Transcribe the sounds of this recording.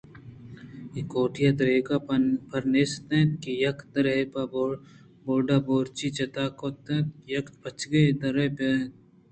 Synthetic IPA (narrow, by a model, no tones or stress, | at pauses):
ikoːʈʰijad̪ɐɾeːɡapʰɐɾneːst̪ẽt̪̚kijɐkt̪̚ɐɾepabo | boːɖaːboːɾt͡ʃit͡ʃɐt̪aːkoːt̪ẽt̪jɐkt̪pɐt͡ʃʰɡed̪ɐɾepet̪